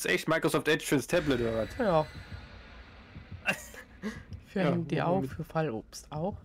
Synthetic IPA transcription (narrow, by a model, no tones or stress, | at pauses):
sʔɛ̰çtmaɪkʁ̥osɔftʔɛt͡ʃfyɐnstʰɛblətodɐvatjaː | fyːɐnd̥iːʔa̰ʊfyːɐfalʔo̰ːpstaʊx